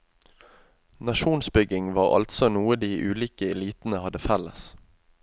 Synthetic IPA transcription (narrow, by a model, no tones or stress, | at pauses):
nɑʃuːnsbʏɡɪŋʋɑːʁɑ̰lt̪sɔnuːəd̪iːʔʉːliːkəɛliːt̪n̩əhɑd̪əfɛləs